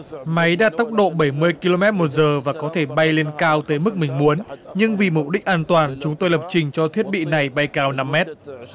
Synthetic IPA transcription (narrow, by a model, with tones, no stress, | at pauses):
ma˨˦jɗa̰ː˧˥t̪a˦˥wk͡p̚ɗo̰˧˨ɓə˧˩jmɨ˧əjki˧lo˧mɛ˦˥t̚mo˨˩t̚zəː˨˩vaː˨˩kɔ˨˦t̪ʰe˧˩ɓa˧jle˧nkaː˧wt̪əː˨˦jmɨ˦˥k̚mï˨˩ŋ̟mu˨˦ənɲɨ˧ŋvi˨˩mu˨˧˩p̚ɗï˦˥k̟̚ʔaː˧nt̪waː˨˩nt͡ɕʊ˨˦ŋ͡mt̪o˧jlə˨˩p̚t͡ɕï˨˩ŋ̟t͡ɕɔ˧t̪ʰi˦˥ət̚ɓḭ˧˨na˨˩jɓa˧jkaː˧wna˧mːɛ˦˥t̚